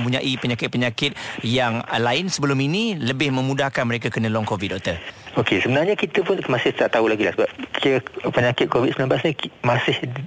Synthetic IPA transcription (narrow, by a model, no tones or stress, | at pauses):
mpuɲaʔipəɲakɪt̪̚pəɲakɪt̪̚jaŋlaɪnsəbəlʊminiləbɪhmə̃mudahkanməɾek̬akənə̃lɔŋkovit̪̚doʔt̪əokesəbənarɲakit̪əpʊnmãsɪht̪aʔt̪aulaɡilahsəbap̚kiəpəɲakɪt̪̚kovit̪̚səmilãmblasɲĩmãsɪh